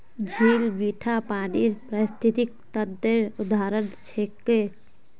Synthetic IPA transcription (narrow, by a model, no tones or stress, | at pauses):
d͡ʒʱeːlbiːʈʰapaːniɾpɾəst̪ʰɪt̪ik̚t̪əd̪eɾʊd̪aːɾənt͡ʃʰeːkːe